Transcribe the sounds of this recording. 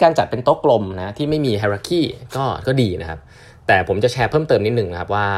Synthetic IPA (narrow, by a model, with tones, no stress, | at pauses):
kaː˧nt͡ɕa˨˩t̪̚pe˧nt̪o˦˥kːlo˧mna˦˥t̪ʰiː˥˩ma˥˩jmiː˧ɦʰaː˧ɾaː˧˩kʰiː˥˩kɔː˥˩kɔː˥˩diː˧na˦˥kʰa˦˥p̚ | t̪ɛː˨˩pʰo˩˦mt͡ɕa˨˩t͡ɕʰɛː˧pʰɤː˥˩mt̪ɤː˧mni˦˥t̪nɯ˨˩ŋn˦kʰa˦˥p̬̚waː˥˩